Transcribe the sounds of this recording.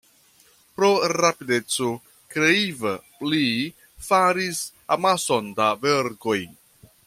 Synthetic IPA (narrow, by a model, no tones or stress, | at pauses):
pɾo̞ɾapide̞t͡so | kɾeivəpli | faɾis | amaso̞ndaveɾko̞j